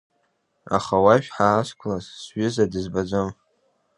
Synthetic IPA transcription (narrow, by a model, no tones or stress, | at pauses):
a̰χawaʃᶣħaːskʷʰlazsɥʏzadɨzbad͡zʷom